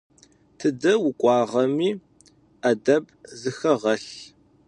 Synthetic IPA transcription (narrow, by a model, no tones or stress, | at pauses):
tʰɨdɐwʊkʷʼɑːʁɐmiː | ɐdɐbʼ | zɨxɐʁɐɬ